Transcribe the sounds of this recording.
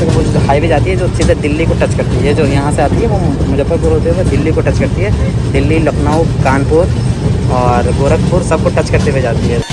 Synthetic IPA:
haːibʱid͡ʒaːt̪iɦɛd͡ʒost͡ʃiːzɛd̪ɪlːikoʈɐt͡ʃkɐɾt̪iɦɛd͡ʒoːjɐɦãseaːt̪iɦɛʋomʊd͡ʒəbəpuɾɦoːt̪iɦɛʋod̪ɪlːikoʈɐt͡ʃkɐɾt̪iɦɛːd̪ɪlːilɐknaːukaːɳɖpʊɾ | ɔːɾɡoːɾək̚pʊɾsɐb̚koʈɐt͡ʃkɐɾt̪ibid͡ʒaːt̪iɦɛː

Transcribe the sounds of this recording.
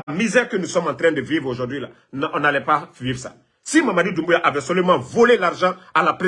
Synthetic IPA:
mizɛːʁkənusɔmɑ̃t̪ɾɛ̃d̪əvivʁoʒuʁd̪ɥila | nɔ̃nalɛpavivsa̰ | simamadidũmbujaʔavɛsɔlymãvolelaʁʒɑ̃alapɾe

